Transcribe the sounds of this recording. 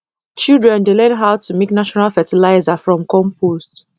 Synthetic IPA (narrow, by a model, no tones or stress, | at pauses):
t͡ʃildɹɛ̃ndelɛ̃nɦaʊtʰumeknaʃɔnalfɛtilaɪzafɹɔ̃mkɔ̃mpost